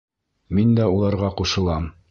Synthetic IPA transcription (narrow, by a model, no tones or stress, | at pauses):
mind̪æulˠɑɾʁɑquʃɤ̆lˠɑm